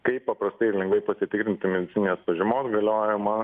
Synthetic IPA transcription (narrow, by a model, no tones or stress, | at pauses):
kɐɪppɐpɾɐst̪ɐɪɪɾlʲɛŋɡʋɐɪpɐsʲɪt̪ʲɪkɾʲɪnʲt̪ʲɪmʲɛd̪ʲɪtsʲɪnɪnʲeːspɐʒʲɪmoːsɡɐlʲoːjɪmɐ